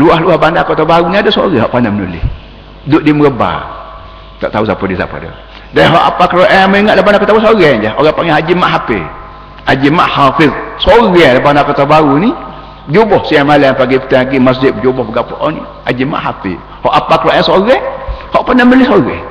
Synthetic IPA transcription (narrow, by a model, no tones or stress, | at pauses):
luaɦluahbandakot̪obauniadəso̰ɣɛɦɔ̰ʔpanamənṵlɪ̰h | dʊʔdiəməɡəba̰ | t̪ɔ̰ʔt̪ausapədisa̰pə̰də̰ | daɦɔʔa̰pakəɾoʔɛməiŋat̪ʔ̚lahbanakot̪awusoɣɛd͡ʒaʔoɣapaŋahad͡ʒimaʔɦapḛ | ad͡ʒima̰ʔhafisoɣɛlabandakot̪abauni | bəd͡ʒobɔhsiamalɛapaɡipə̥t̪aaɡimas̬d͡ʒɪt̪̚bəd͡ʒobɔhbəɡapoʔɔnḭ | ad͡ʒima̰ʔɦapḭ | hɔʔapakəɾoʔɛsoɣɛhɔʔpanamənulɪhsoɣɛ̰